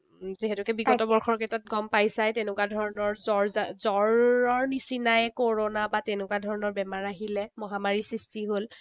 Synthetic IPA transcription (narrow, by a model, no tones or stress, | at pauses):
zeɦɛtʊkɛbiɡɔtɔbɔɹxɔɹkɛtat̚ɡɔmpajsajtenʊkwadʱɔɹɔnɔɹzɔɹzzɔɹɔɹnisinajɛkoɹonabatɛnʊkwadʱɔɹɔnɔɹbɛmaɹaɦilɛmɔɦamaɹisɹistiɦol